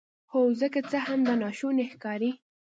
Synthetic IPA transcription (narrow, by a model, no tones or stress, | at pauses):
xozəkat͡səhamd̪ənɑʃunexkɑɾi